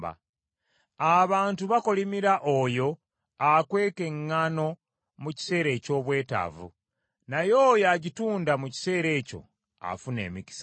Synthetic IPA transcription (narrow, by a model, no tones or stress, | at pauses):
ba̰ | aβaːntuβako̞limiɾaʔojo̞ | akwe̞ːke̞ŋːano̞ | muci̥se̞ːɾe̞ːco̞ːβwe̞ːta̰vṵ | najo̞jaɟituːndamuci̥se̞ːɾe̞ːco̞̰ | a̰fune̞̰ːmiki̥sa